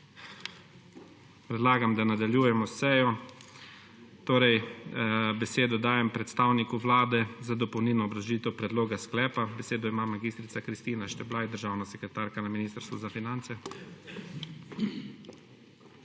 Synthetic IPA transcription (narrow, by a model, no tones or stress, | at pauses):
pɾɛd̪laːɡamd̪anad̪aljuːjɛmɔsɛːjɔ | t̪oːɾɛj | bɛseːd̪ɔd̪aːjɛmpɾɛt̪st̪aːwnikuʋlaːd̪ɛzad̪ɔpɔwniːlnɔːbɾaʒiːt̪ɛwpɾɛd̪loːɡasklɛːpabɛseːd̪ɔimaːmaɡiːst̪ɾit̪sakɾist̪iːnaʃt̪ɛblaːjd̪əɾʒaːwnasɛkɾɛt̪aːɾkanaminiːst̪əɾst̪ʋɔzafinant̪sɛ